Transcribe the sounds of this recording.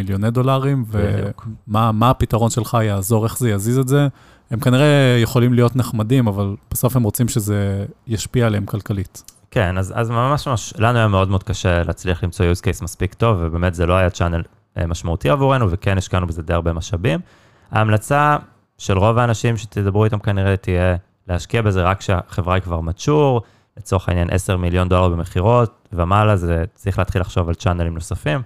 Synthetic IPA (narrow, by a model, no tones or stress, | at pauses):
iljonedo̞laʁimveṵkmamaːpitaʁo̞nʃe̞lχajaːzo̞ʁe̞χzejazizeze | hemkaniʁe̞jeχo̞limlijo̞tneχmadimavalb̥aso̞femʁo̞t͡simʃezejaʃpialeemkalkalit | kenaza̰zmamaʃmaʃlanuajameod̪meod̪kaʃelḛːt͡sliaχlimt͡so̞juzkejsmaspikto̞vːebemetzelo̞ajat͡ʃan | maʃmautiavuʁenuvekeniʃkanubezedeaʁbemaʃabim | a̰ːmlat͡sa | ʃe̞lʁo̞vaːnaʃimʃet̪ʰedabʁuitamkaniʁetije | lehaʃkiabe̞zeʁakʃeaχe̞vʁaikvaʁmat͡ʃuʁ | let͡soχainjanʔese̞ʁmiljo̞nd̪olaʁbe̞meχiʁo̞t̚ | veamalazet͡sʁiχleat̪χilːaχʃo̞valt͡ʃanelimnosafim